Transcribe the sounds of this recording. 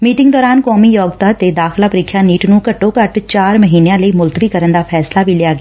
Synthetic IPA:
miːʈɪŋɡd̪ɔːɾaːnkɔːmiːjɔːɡt̪aːt̪eːd̪aːxlaːpəɾɪkʰːjaːniːʈnũːkəʈːoːkəʈt͡ʃaːɾməɦiːnejãːləiːmʊlt̪əʋiːkəɾənd̪aːpʰɛːslaːʋiːlɪaːɡɪaː

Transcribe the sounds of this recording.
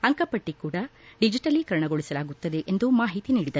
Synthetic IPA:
ɐŋkɐpɐʈːikuːɽɐɖid͡ʒiʈɐlikɐɾɐɳɐɡoɭisɐlaːɡut̪ːɐd̪e̞ʔend̪umaːɦit̪iniːɽid̪ɐɾ

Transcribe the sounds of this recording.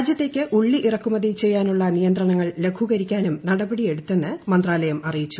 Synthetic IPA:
d͡ʑjɐt̪ːe̞ːkʲːɨʔuɭːiʔirɐkːumɐðit͡ɕe̞jːaːnuɭːɐnijɐnd̪rɐɳɐŋːɐɭle̞ɡʱuɣɐɾikʲːaːnumnɐɽɐbɐɽije̞ɽut̪ːe̞nːɨmɐnd̪raːlɐjɐmɐrijit͡ɕːu̥

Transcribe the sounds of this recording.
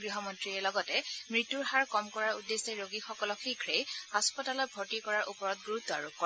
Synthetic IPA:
ɡɹiɦɔmɔntɹiɛlɔɡɔtɛmɹitːuɹɦaɹkɔmkɔɹaɹudːeseɹoɡixɔkɔlɔkʰikʰɹejhaspɔtalɔt̚bʱotikɔɹaɹʔupɔɹɔt̚ɡuɹut̪ːɔa̰ɹukːɔ

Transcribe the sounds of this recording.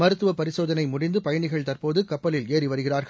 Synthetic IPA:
mɐɾɯt̪ːɯʋɐpɐɾɪsoːðɐnɐɪmʊɽɪnd̪ɯpɐjɐɳɪɣɐɭt̪ɐrpoːðɯkɐpːɐlɪleːriʋɐɾɯɣɪraːɾɣɐ

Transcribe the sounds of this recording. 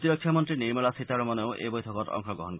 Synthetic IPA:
t̪iɾokʰːamont̪ɾiniɾmulasit̪aɾmoneoʔḛbojt̪ʰokoɾɔ̰ŋʃoɡɾɔɦonk

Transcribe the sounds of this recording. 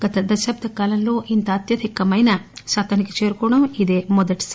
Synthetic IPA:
ɡ̥ɐt̪ɐd̪ɐʃɐp̚t̪ɐkaːlɐnloːʔint̪ɐːt̪jɐd̪ʱikɐmɐjnɐsat̪ɐnikːi̥t͡ʃe̞ːɾukɔːɽɐmid̪eːmɔd̪ɐʈi̥s

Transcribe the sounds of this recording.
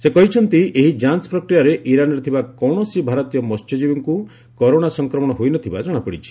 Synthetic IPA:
sekɔɦit͡ʃʰɔnt̪ieɦid͡ʒanspɾɔkɾijaɾeʔiɾanɔɾet̪ʰibakɔɽ̃ɔsibʱaɾɔt̪ijɔmɔst̪ʰjɔd͡ʒibɔŋku | kɔɾoɽ̃asɔŋkɾɔmɔɽɔɦojnɔt̪ʰibad͡ʒɔɽ̃apɔɽit͡ʃʰi̥

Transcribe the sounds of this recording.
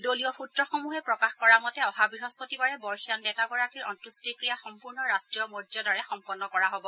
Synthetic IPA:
doliɔpʰutɹɔxomuɦɛpɹɔkaxkɔɹamɔtɛɔɦabɹiɦɔspotibaɹɛbɔɹxijɔndɛtaɡɔɹakiɹɔ̰ntɹustikɹijaxɔmpuɹnɔɹastɹijɔmɔɹdjɔdaɹɛxɔmpɔnːɔkɔɹaɦobɔ

